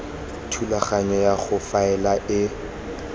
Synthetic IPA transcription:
tʰulaχaɲɔjaχʊfaɛlaʔɪ

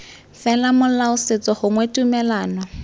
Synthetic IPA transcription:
fɛlamʊlaʊset͡sɔhʊŋwetʼumɛlaːnɔ

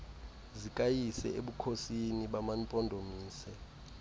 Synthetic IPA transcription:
zikʼajisɛ̰eɓukʰosiniɓamanpʼɔndʱomiːsɛ

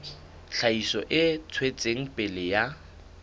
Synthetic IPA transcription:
ɬʰaisɔʔɪt͡sʰwet͡sʼeŋ̩pʼɪlɪja

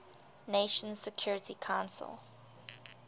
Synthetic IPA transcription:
neɪʃə̃nz̥sɛkʰj̥ɔːɹɪtikʰãʊ̃nsə̰lˠ

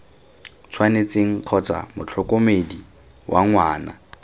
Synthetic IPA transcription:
t͡sʰwanet͡seŋ̩q͡χʰɔt͡sa̰mʊt͡ɬʰɔkʼomedi | wʔaŋwaːna̰

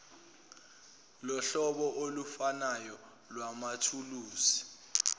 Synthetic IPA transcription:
lɔɬɔɓɔʔolufanajɔ | lwamatʰuluːsi̥

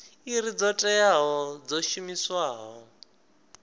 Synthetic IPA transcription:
iɾid͡zɔtʼɛjaɦɔd͡zɔʃumiswaːɦɔ

